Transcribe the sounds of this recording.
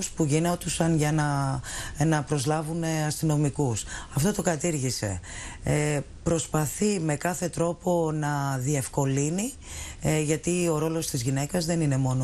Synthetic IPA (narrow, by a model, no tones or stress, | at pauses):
spuʝinot̪usɐnʝɐnɐ | nɐpɾo̞zlɐvune̞ɐst̪ino̞mikusɐft̪o̞t̪o̞kɐt̪iɾʝise̞̰ | pɾo̞spɐθime̞kɐθe̞t̪ɾo̞po̞nɐðie̞fko̞lini | ʝɐt̪io̞ɾo̞lo̞st̪izʝinekɐzðe̞nine̞mo̞no